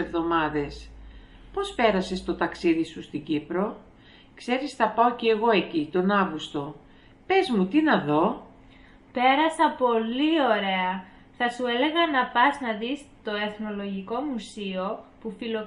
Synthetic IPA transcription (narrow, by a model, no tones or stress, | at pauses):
evðo̞mɐðe̞s | po̞spe̞ɾɐse̞st̪o̞t̪ɐksiðisust̪iɟipɾo̞ | kse̞ɾisθɐpɐoceːɣo̞e̞cit̪o̞nɐɣust̪o̞ | pe̞zmut̪inɐðo̞ | pe̞ɾɐsɐpo̞lio̞ɾe̞ɐ | θɐsue̞le̞ɣɐnɐpɐznɐðist̪o̞e̞θno̞lo̞ʝiko̞musio̞pufilo